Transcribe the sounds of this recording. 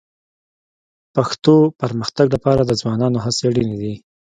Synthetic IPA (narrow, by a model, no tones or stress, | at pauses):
paxt̪opaɾməxt̪aɡlapɑɾad̪əd͡zwɑnɑnoɦaseɽinid̪i